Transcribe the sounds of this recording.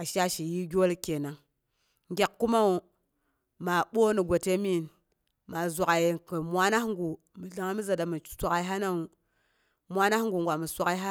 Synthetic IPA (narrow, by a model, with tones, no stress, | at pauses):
a˨ʃa˦ʃi˨ji˦ɡʲo˦lke˨na˨ŋ | ŋɡʲe˨kkːu˦ma˦u˨ | ma˨ɓo˦ni˨ɡʷa˨te˦mi˦n | ma˨zʷa˨ka˨jkə˨mwa˦na˦hŋɡu˨ | mi˨ɮa˦ŋa˦mi˦za˨da˨mi˨˦sʷa˦ka˨i˦ɦa˦na˦u˨ | mʷwa˦na˦hŋɡu˨ŋɡʷa˨mi˨sʷa˦ka˦i˦ɦa˦